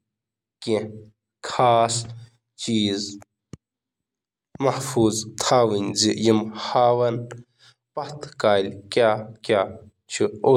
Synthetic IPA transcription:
kẽ | kʰaːs | t͡ɕiːz | mɐhfuːzt̪ʰaːwinzijimhaːwɐn | pɐht̪ʰkaːlʲkʲjaːkʲa | t͡ʃʰio

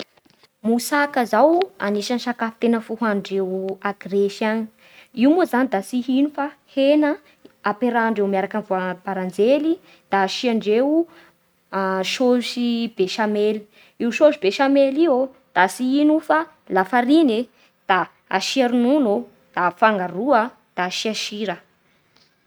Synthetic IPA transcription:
musakazawa̰niʃanʃakafi̥t̪enəfuɦaɳɖ͡ʐewaɡreʃani | iwmuzanid̪asiɦinufahenə | apeɾaɳɖ͡ʐewmiaɾakanvab̥aɾand͡zeli | d̪̥aːʃiaɳɖ͡ʐew | ʃoʃib̥eʃameli | iwʃoʃibeʃamelio | d̪̥asiinufa | lafaɾine | d̪̥a | a̰ʃiaɾununo | d̪̥afaŋɡaɾuə | d̪̥aʃiaʃiɾə

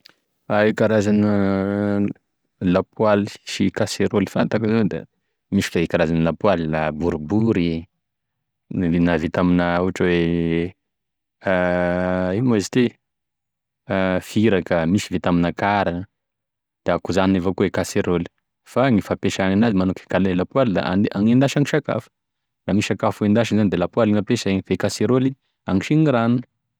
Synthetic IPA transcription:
aikaɾazanə | lapwali̥ʃikaseɾolifant̪akəzad̪a̰ | miʃi̥faikaɾazanilapwalilabuɾubuɾi | navet̪aminəuaʈ͡ʂəwe | a | imesit̪e | fiɾakəmisivet̪aminəkaɾa | d̪̥akuzanievokuwekaseɾoli̥ | faŋifapeʃaŋanazimanukʲe̥kalelapuwalid̪a̰ʔa̰naŋind̪aʃaŋiʃaka̰fə̥ | lamiʃakafuend̪aʃinzanid̪elapualinapeʃeɲivekaseɾoli | aŋiʃiɲiɾanu

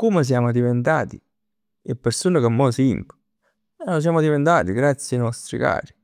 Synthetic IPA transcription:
kumes̬jaːmʊd̪ivent̪a̰ːt̪ḭ | ɪpːeɾsuːnakemːɔsiŋkʊ̥ | ɛlos̬jaːmʊd̪ivent̪aːt̪iɡɾat̪sːjanɔst̪ɾḭka̰ːɾi

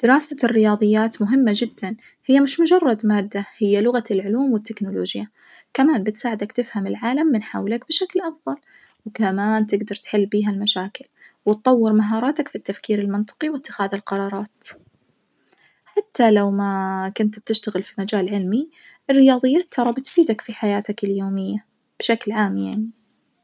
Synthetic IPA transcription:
d̪̥ɪɾɑːsarːɪjɑːðˤɨjːaːt̪mʊɦɪmːad͡ʒɪd̪ːan | hɪjːamɪʃmʊd͡ʒɑrˤːɑd̪maːd̪ːahɪjːalʊɣaɪlʕʊluːmwɪt̪ːɪknʊloːd͡ʒja | kamaːnbɪt̪saːʕɪd̪akt̪ɪfhamɪlʕaːlamːɪnħa̰wlakbɪʃaklʔɑfðˤɑl | wkamaːnt̪ɪɡd̪ɑɾˤt̪ħɪlːbiːɦalmaʃaːkɪlwɪt̪tˤɑwːɪɾmaɦɑːɾˤɑːt̪akfit̪ːafkiːɾɪlmɨnt̪ˤɨ̥qiwɪt̪ːɪxaːðalqɑɾˤɑːɾˤɑːt̪ | ħat̪ʰːalawmakʊnt̪b̚t̪ɪʃt̪aɣɪlfimad͡ʒaːlʕɪlmi | ʔɪrːɪjɑːðˤɨjːat̪ʰːɑɾˤɑbɪt̪fiːd̪akfiħajaːt̪akɪljoːmɪjːa | b̥ɪʃaklʕaːmjaʕni

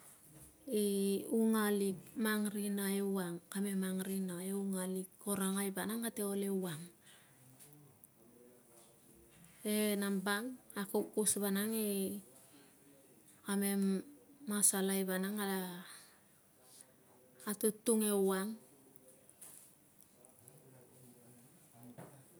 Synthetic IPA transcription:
iuŋalik̚maŋɾinaewaŋkame̞maŋɾinaeuŋalikːoɾaŋajbanaŋateole̞waŋ | enambaŋakokːusbanaŋe | ame̞mːasalajbanaŋada | atutːuŋe̞waŋ

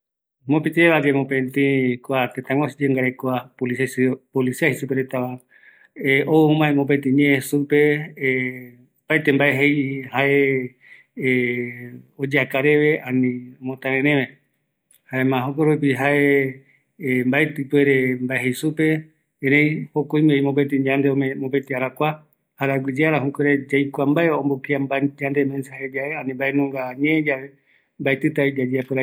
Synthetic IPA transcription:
mõpit̪eβad͡ʒemõpẽnt̪ĩkoat̪ẽt̪ãwosd͡ʒeŋɡaɾekoapolipolisiahisupeɾet̪aʋa | eomãẽmõp̬et̪ĩɲẽẽsupe | paet̪embaeɦejhaʔe | od͡ʒeakaɾeʋeãnĩmõt̪ãɾẽɾẽmẽ | haemãɦok̬oɾop̬iɦae | mbaet̪ɨpweɾembaeɦejsupe̞ | eɾejhokoĩmeimopet̪iɲand̪eomemopet̪iaɾakʷa | haɾaɡʷid͡ʒeaɾaɦukʷeɾed͡ʒajkʷambaeõmbokiambad͡ʒãnd̪emẽnsahed͡ʒaeanĩmbaenõŋɡaɲẽd͡ʒae | mbaet̪ɨt̪aid͡ʒad͡ʒeapeɾa

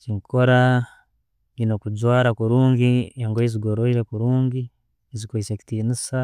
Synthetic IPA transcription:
ciŋkʰoɾa | inokuzwaːɾakuɾuːɲɟieŋɡojeziɡoɾoiɾekuɾuːɲɟi | ezikoiseki̥tiːnisa

